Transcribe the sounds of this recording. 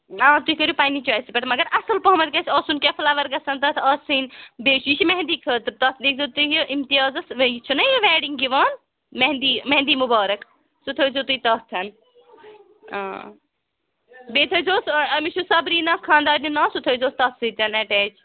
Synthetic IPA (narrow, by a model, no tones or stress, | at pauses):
ãːt̪uikɐɾjupaːnit͡ʃaːjsipɐʈmɐɡɐɾɐsɐlpɐɦmɐd̪̚kɐt͡ʃʰɐsunkefʰlaʋɐɾɡɐsɐnt̪ɐt̪ʰɐsɨnbeːʃut͡ʃʰimeɦnd̪iːkʰət̪ɾt̪ɐt̪ʰd̪iːk̚zɐt̪uɦʔimt̪ijaːzɐsjt͡ʃʰunɐjʋɛːɖiŋɡiʋɐn | mɐɦnd̪iːmɐɦnd̪iːmubaːɾɐk | sut̪ʰəzot̪uit̪ɐt̪ʰɐn | ã̰ː | beːt̪ʰɐzoːsɐmit͡ʃʰusɐbɾiːnɐkʰãːnd̪aːɾninɐsut̪ʰɐzoːst̪ɐt̪sɨt̪ɐnɐʈɛːd͡ʒ